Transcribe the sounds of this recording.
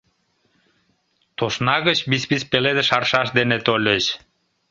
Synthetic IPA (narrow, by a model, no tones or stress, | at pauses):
t̪oʃnɑɣət͡ɕbispispeled̪eʃɑrʃɑʃd̪enet̪olʲet͡ɕ